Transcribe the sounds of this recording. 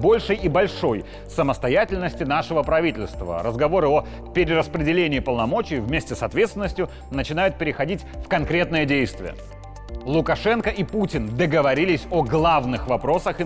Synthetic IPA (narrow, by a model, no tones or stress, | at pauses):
bo̞lʲʂɨjibɐlʲʂo̞j | səməst̪ɐjatʲɪlʲnəsʲtʲɪnaʂɨvəpɾɐvʲitʲɪlʲst̪və̰ɾə̰zɡɐvo̞ɾɨo | pʲɪɾʲɪɾəspɾʲɪdʲɪlʲenʲɪːpəlˠnɐmo̞t͡ɕɪːvmʲesʲtʲɪsɐt̪vʲe̞t̪st̪vɪnːəsʲtʲjʊ | nət͡ɕɪnajʊt̪̚pʲɪɾʲɪxɐdʲitʲfkɐnkɾʲe̞t̪nɨjədʲejst̪vʲɪ̰jə̰ | lˠʊkɐʂɛnkəʔiputʲɪnd̪əɡəvɐɾʲilʲɪsʲoɡlˠavnɨxvɐpɾo̞səx